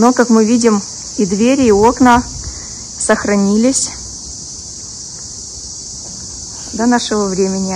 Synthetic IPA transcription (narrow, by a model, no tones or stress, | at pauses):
nokakmɨvʲidʲɪm | id̪vʲeɾʲɪːo̞knə | səxɾɐnʲilʲɪsʲ | d̪ɐnaʂɨvəvɾʲemʲɪnʲɪ